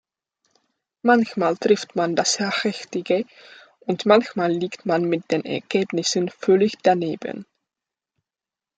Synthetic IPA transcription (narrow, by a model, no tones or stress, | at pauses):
mançmaːltʁ̥ɪftmandashaχɛxtɪɡə | ʔʊntmançmaːlːiːktmanmɪt̚d̥eːnɛ̰ɐɡɛːbnɪsənfœlɪçd̥aneːbə̰n